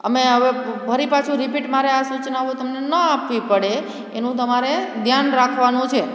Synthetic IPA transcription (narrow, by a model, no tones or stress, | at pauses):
əmeɦəʋebʱəɾipat͡ʃʰũɾipiʈmaɾeasut͡ʃnaʋũt̪əmnenəapʋipəɽe | enũt̪̬əmaɾed̪ʱjanɾakʰʋanũt͡ʃʰe